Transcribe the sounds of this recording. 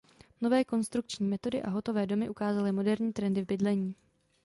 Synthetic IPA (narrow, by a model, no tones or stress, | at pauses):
no̞vɛːko̞nst̪ɾuk̚t͡ʃɲiːmɛt̪o̞dɪʔaɦo̞t̪o̞vɛːdo̞mɪʔukaːzalɪmo̞dɛɾɲiːt̪ɾɛndɪvbɪdlɛɲiː